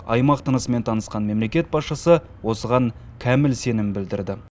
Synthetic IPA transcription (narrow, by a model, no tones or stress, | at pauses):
ɑ̰jmɑqt̪ʰənəsəme̞nt̪ʰɑnəsqɑnme̞mle̞kʲe̞t̪̚bɑsʃəsə | wo̞səʁɑŋ | kʲʰæmɪlse̞nɪmbɪld̪ɪɾd̪ɪ